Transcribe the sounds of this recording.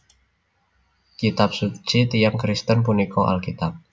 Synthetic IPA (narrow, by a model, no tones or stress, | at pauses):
kit̪ap̚sut͡ʃit̪ijaŋkɾist̪ənpunikʰɔʔa̰lkit̪ap̚